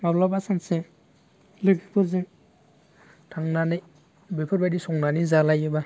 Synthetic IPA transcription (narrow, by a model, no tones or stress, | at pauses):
mablɔbasanse | lɯkʰipʰuɾze | tʰaŋnanij | bepʰɔɾbajdisɔŋnanizalajɯba